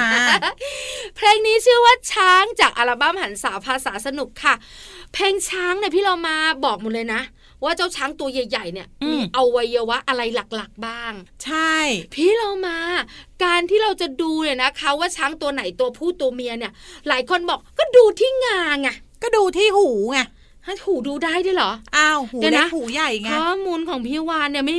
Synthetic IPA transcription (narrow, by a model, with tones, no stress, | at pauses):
pʰlɛː˧ŋniː˦˥t͡ɕʰɯ˥˩waː˥˩t͡ɕʰaː˦˥ŋt͡ɕaː˨˩k̚ʔa˧ɾaː˧ba˥˩mha˨˩˦nsaː˩˦pʰaː˧saː˩˦sa˧nu˨˩kʰːa˥˩pʰɛː˧ŋt͡ɕʰaː˦˥ŋna˧˩pʰiː˥˩ɾa˧wmaː˧bɔː˨˩k̚mɔː˨˩lɤː˧jna˦˥ | waː˥˩t͡ɕa˥˩wt͡ɕʰaː˦˥ŋt̪u˧ɐja˨˩jːa˨˩jni˧˥˩əʔʔa˧wːa˧˥jːɤː˧waː˦˥ʔa˧ɾa˧jla˨˩k̚la˨˩k̚baː˥˩ŋt͡ɕʰa˥˩jpʰiː˥˩ɾɔ˧wmaː˧kaː˧nt̪ʰiː˥˩ɾa˧wt͡ɕa˨˩duː˧ni˧˨˩na˦˥kʰa˦˥waː˥˩t͡ɕʰaː˦˥ŋt̪u˧ɐna˩˦jt̪u˧ɐpʰuː˥˩t̪u˧ɐmi˧ɐni˥˩ɐlaː˩˦jkʰo˧nbɔː˨˩k̚kːɔː˥˩duː˧t̪ʰiː˥˩ŋaː˧ŋa˧˩ | kɔː˥˩duː˧t̪ʰiː˥˩huː˨˩˦ŋa˧˩ | ha˦˥˩huː˨˦duː˧daː˥˩jdaː˥˩˨lɔː˩˦ʔa˧˩huː˨˦a˧˦an˥a˦˥huː˨˩˦ja˨˩jŋkɔː˥˩muː˧nkʰɔː˨˩˦ŋpʰiː˥˩waː˧nːi˥˩ɐma˥˩